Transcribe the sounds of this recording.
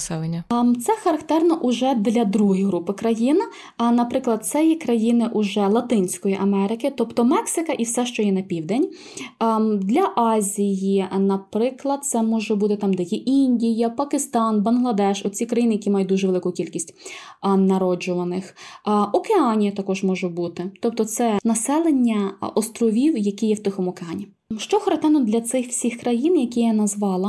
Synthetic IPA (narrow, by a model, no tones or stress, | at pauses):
sɛlˠenʲːɐt̪sɛxɐɾɐkt̪ɛrnɐʔʊʒɛd̪lʲɐd̪ɾuɦɪjɦɾupɪkɾɐjin | nɐpɾɪklˠɐd̪̚t̪sɛjɛkɾɐjinɪʔʊʒɛlˠɐt̪ɪnʲsʲkɔjiʔɐmɛɾɪkɪt̪ɔpt̪ɔmɛksɪkɐʔiwsɛʃt͡ʃɔjɛnɐpʲiwd̪ɛnʲ | d̪lʲɐʔɑzʲijinɐpɾɪklˠɐd̪̚t̪sɛmɔʒɛbut̪ɪt̪ɑmd̪ɛjɛʔinʲdʲijɐpɐkɪst̪ɑnbɐnɦlˠɐd̪ɛʃɔt͡sʲikɾɐjinɪjɐkʲimɑjʊt̚ʲd̪uʒɛʋelˠɪkʊkʲilʲkʲisʲtʲ | nɐɾɔd͡ʒʊʋɐnɪxʔɔkeɑnʲijɐt̪ɐkɔʒmɔʒʊbut̪ɪt̪ɔp̚t̪ɔt̪sɛnɐsɛlˠenʲːɐɔst̪ɾɔʋʲiwjɐkijɛwt̪ɪxɔmɔkeɑnʲi | ʃt͡ʃɔxɔɾɐt̪ɛnɔd̪lʲɐt̪sɪxw̥sʲixkɾɐjinjɐkʲijanɐzʋɑlˠɐ